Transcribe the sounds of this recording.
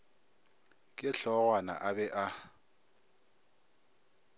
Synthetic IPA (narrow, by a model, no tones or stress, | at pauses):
kʼɪɬɔɣwana̰ʔabɛʔa